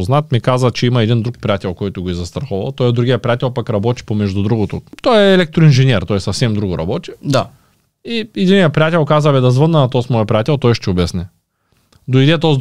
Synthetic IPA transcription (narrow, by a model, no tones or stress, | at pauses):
znat̪mikazɐt͡ʃɛimɐɛd̪ind̪ɾuk̚pɾʲijat̪ʲɛlˠkɔjt̪ʊɡoizɐst̪ɾɐxɔvɐ̰lˠt̪ɔjɛd̪ɾuɡijɐpɾijat̪ʲɛlˠpakɾɐbɔt̪i̥pomɛʒd̪ʊd̪ɾuɡot̪ot̪ɔjɛːlɛk̚t̪ɾʊinʒɛnʲɛɾt̪ɔjɛsɐfsɛmd̪ɾuɡʊɾɐ̰bɔt͡ʃ̪i̥d̪a | iɛd̪inijɐpɾʲijat̪ʲɛlˠkazɐvɛd̪ɐzvənːɐnɐt̪ɔsmɔjɛpɾʲijat̪ʲɛlˠt̪ɔjʃt̪ɛobɛsnɛ | d̪oid̪ɛt̪ɔz